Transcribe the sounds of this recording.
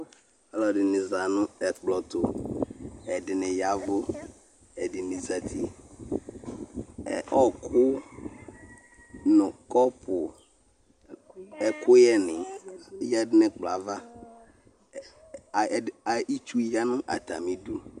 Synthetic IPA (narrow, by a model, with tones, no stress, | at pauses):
ɛ˨lɔ˨dɪ˨nɪ˨za˨nʊ̃˦ɛ˨k͡plɔ˨t̪ʊ˨ | ɛ˨dɪ˨nɪ̃˨ja˨vʊ˦ | ɛ˨dɪ˨nĩ˨za˨t̪ʰi˦ | ɛ̰˨ʔɔ˦kʰʊ˦ | nʊ̃˨kɔ˦pʰʊ˨ | ɛ˨kʰʊ˦jɛ˦nɪ̃˨jɛ˦dɪ˦nɪ˦k͡pla˨va˦˨ | a˨˦i˦t͡ʃu˦ja˦nʊ̃˦ʔa̰˨t̪a̰˨mĩ˦du˦